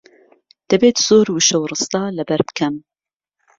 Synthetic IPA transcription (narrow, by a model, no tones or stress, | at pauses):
d̪̥ɐbeːt̪z̥oːɾwuʃɐwrɨst̪ɑːlɐbɐɾbɨ̥kʰɐm